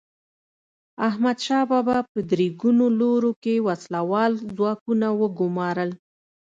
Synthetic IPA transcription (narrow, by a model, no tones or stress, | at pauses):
ahmad̪ʃɑbabapəd̪ɾiɡunoloɾokewaslawɑlzwɑkunawəɡʊmɑɾəl